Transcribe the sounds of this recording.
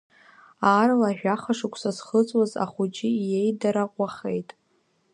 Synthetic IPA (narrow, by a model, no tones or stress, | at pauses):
aːɾalaːʒᶣaχaʂʊkʷʰsasχət͡sʼwaza̰χut͡ʃʼije̞jdaɾaqʷʼaχejtʼ